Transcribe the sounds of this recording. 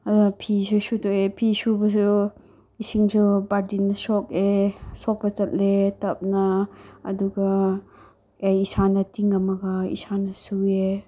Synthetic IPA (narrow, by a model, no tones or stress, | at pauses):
ɐduɐpʰisusutoepʰisubɐs̬u | isiŋsubaɾdinːɐsokesok̚pɐt͡ʃɐt̚letɐp̚nɐɐ̰duɡɐ | ejisanɐtiŋɐmɐɡɐḭsanɐsue